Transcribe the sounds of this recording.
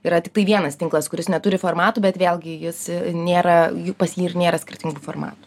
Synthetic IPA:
iːɾɐt̪ʲɪkt̪ɐɪʋʲiɛnɐst̪ʲɪŋklˠɐskʊɾʲɪsnʲɛt̪ʊɾʲɪfoːrmɑːt̪uːbʲɛt̪ʋʲeːlʲˠɡʲɪjɪsnʲeːɾɐjupɐsjiːɪrnʲeːɾɐsʲkʲɪrʲt̪ʲɪŋɡufoːrmɑ̰ːt̪u̥

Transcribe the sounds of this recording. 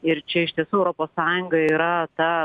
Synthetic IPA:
ɪɾt͡ʃʲɛɪʃt̪ʲiɛsuːɛʊɾoːpoːssɑːjʊŋɡɐiːɾɐt̪ɑ

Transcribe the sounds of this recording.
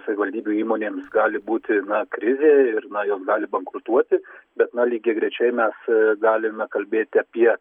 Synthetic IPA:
sɐʋʲɪʋɐlʲd̪ʲiːbʲuːiːmoːnʲeːmsɡɑːlʲɪbuːt̪ʲɪnɐkɾʲɪzʲeːɪrnɐjoːsɡɑːlʲɪbɐŋkɾʊt̪uɔt̪ʲɪbʲɛt̪nɐlʲiːɡʲɛɡɾʲɛt͡ʃʲɛɪmʲɛsɡɑːlʲɪmʲɛkɐlʲbʲeːt̪ʲɪɐpʲiɛ

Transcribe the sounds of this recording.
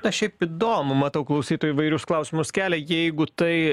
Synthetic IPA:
ɐʃʲɛɪpiːd̪oːmʊmɐt̪ɐʊklˠɐʊsʲiːt̪oːjiːʋɐɪɾʲʊsklˠɐʊsʲɪmʊskʲæːlʲɛjɛɪɡʊt̪ɐɪ

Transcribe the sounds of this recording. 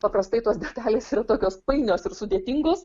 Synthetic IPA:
pɐpɾɐst̪ɐɪt̪uɔsd̪ʲɛt̪ɑːlʲeːsiːɾɐt̪oːkʲoːspɐɪnʲoːsɪɾsʊd̪ʲeːt̪ʲɪŋɡoːs

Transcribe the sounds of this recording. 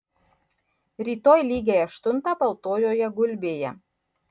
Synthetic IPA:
rʲit̪ojlʲiɡʲeɛʃt̪unt̪ɑpəlˠt̪ojojɛɡulʲbʲejæ

